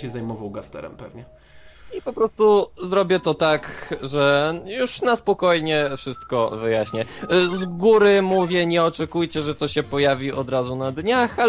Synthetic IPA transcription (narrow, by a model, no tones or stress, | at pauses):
ɕɛzajmɔvawɡast̪ɛ̰ɾɛ̰mpɛvɲɛ | ipɔpɾɔst̪uzɾɔbʲjɛt̪ɔt̪akʐɛjuʂnaspɔkɔjɲɛfʂɘst̪kɔvɘjaɕɲɛzɡuɾɘmuvʲjɛɲɛɔt͡ʂɛkujt͡ɕɛʐɛt̪ɔɕɛpɔjavʲiɔd̪ɾazunad̪ɲaxa